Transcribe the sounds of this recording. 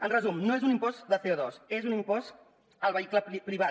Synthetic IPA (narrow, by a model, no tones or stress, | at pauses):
ənrəzumnoezunimpɔzd̪əθeoðɔsezunimpɔs | əlˠβəikləpɾiβ̞a